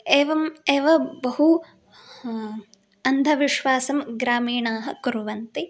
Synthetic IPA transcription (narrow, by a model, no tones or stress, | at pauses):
eːʋɐmeːʋɐbɐɦu | ɐnd̪ʱɐʋiʃʋaːsɐmɡɾaːmiːɳaːɦɐ̆kuɾʋɐnt̪i